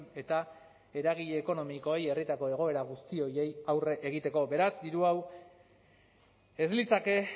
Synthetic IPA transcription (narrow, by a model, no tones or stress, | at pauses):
e̞t̪a | e̞ɾaɣiʎe̞ːko̞no̞miko̞e̞je̞rit̪ako̞e̞ɣ̞o̞e̞ɾaɣ̞ust̪io̞je̞jawre̞ʔeɣ̞it̪e̞ko̞be̞ɾasd̪iɾuaw | ezlit͡sake̞